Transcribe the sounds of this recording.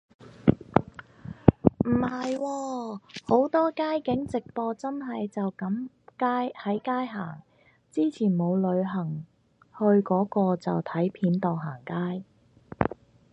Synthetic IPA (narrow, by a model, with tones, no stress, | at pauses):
m̩˨˩hɐ˨jwɔː˧ho˨˥wt̪ɔː˥kaː˥jkɪ˨˥ŋt͡sɪ˨k̚pɔː˧t͡sɐ˥nɦɐ˨jt͡sɐ˨wkɐ˨˥m | kaː˥jhɐ˨˥jkaː˥jɦa̰ː˨˩ŋ | t͡siː˥t͡sʰiː˨˩nmo˨˧wlɵ˨˧ɥɦɐ˨˩ŋ | hɵ˧ɥkɔː˨˥kɔː˧t͡sɐ˨wt̪ʰɐ˨˥jpʰiː˨˥nt̪ɔː˨ŋɦaː˨˩ŋkaː˥j